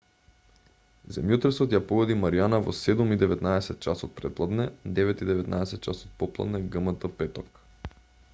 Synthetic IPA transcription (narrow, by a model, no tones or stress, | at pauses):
zɛ̰mjot̪ɾɛsot̪japoɡɔd̪imaɾijanavo̰sɛd̪umid̪ɛvɛt̪naɛsɛt̪̚t͡ʃasot̪̚pɾɛt̪lˠad̪nɛd̪ɛvɛt̪id̪ɛvɛt̪naɛsɛt̪̚t͡ʃasot̪̚pɔplˠa̰d̪nɛɡɤmət̪əpɛt̪ok